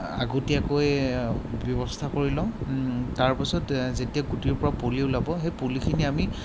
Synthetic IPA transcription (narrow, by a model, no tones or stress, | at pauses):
a̰ɡotiakoj | bjɔbɔstʰakoɹilɔ̃taɹpasɔtzetijaɡutiɹpɔɹapoliʊlabɔɦejpolikʰiniami